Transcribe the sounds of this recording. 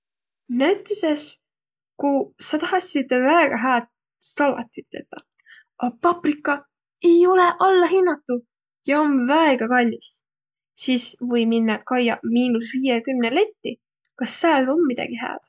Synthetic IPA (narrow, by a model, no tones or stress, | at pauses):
næɥt̪ːˑeses | kusɑt̪ɑɦɑsit̪evæeɡ̥ɑɦæːd̪̥̚ | sɑlɑ̰t̪ːˑyt̪ːˑḛt̪ːˑɑ | ʔɑpɑprikˑːɑ | e̞jo̞le̞ʔɑlːɑɦinːɑt̪ːˑu | jɑo̞mvæeɡ̥ɑkɑlʲːis | siːsvɤjminːɑkɑjɑmiːnusviːjekymnele̞t̪ːi | kɑsːæːlo̞mːid̪̥ɑ̰ɡ̥iɦæ̰ːd̪̥